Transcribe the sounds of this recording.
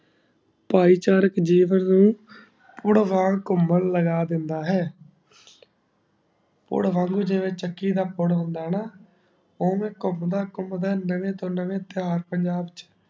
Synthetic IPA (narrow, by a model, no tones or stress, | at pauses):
paːiːt͡ʃaːɾəkd͡ʒiːʋənnũː | pʊɽʋaːɽkʊməlləɡaːd̪ɪnd̪aːɦɛː | pʊ̰ɽʋãːŋɡuːd͡ʒɪʋẽːt͡ʃəkːiːd̪aːpʊɽɦʊ̃nd̪aːɦnaː | oːmẽːkʊmd̪aːkʊmd̪aːnəʋẽːt̪õːnəʋẽːt̪ɪɦaːɾpəɲd͡ʒaːbt͡ʃ